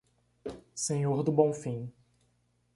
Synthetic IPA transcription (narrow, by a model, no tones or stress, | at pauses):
sẽɲoɾd̪ʊbõw̃fĩ